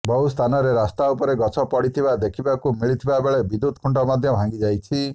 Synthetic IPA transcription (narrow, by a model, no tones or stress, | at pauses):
bɔɦust̪ʰanɔɾeɾast̪aupɔɾeɡɔt͡ʃʰɔpɔɽit̪ʰibad̪ekʰibakumiɭit̪ʰibabeɭebid̪ud̪̚kʰuɳʈɔmad̪ʱjɔbʱãŋɡid͡ʒajt͡ʃʰi